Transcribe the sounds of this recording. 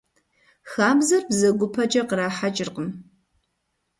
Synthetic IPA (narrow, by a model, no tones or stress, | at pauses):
xaːmzɐrbzɐɡʷʊpʰɐt͡ʃʼɐqəɾaːħat͡ʃʼɪrqəm